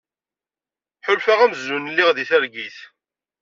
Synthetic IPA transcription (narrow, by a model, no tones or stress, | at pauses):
ħʊlfaʁæməzːunlːiʁðiθæɾɡiθ